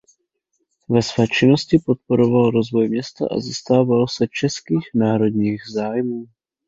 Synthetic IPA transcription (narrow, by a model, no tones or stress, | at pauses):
vɛsvɛːt͡ʃɪnoscɪpot̪̚poɾovalɾozvo̞jmɲɛst̪a̰ʔa̰zist̪aːvalsɛt͡ʃɛskiːxnaːɾo̞d̪ɲiːɣzaːjmuː